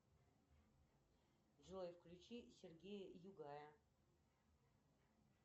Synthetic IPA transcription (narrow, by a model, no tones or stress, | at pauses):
ʐɨlˠojfklʲut͡ɕisʲɪrɡʲejəjʊɡajə